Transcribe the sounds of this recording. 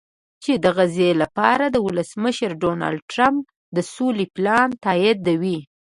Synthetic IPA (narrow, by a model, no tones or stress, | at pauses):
t͡ʃed̪əɣazelapɑɾad̪əwʊləsməʃəɾɖonɑ̰lɖ̚ʈɾamp | d̪əsoliplɑnt̪ɑjɪd̪awi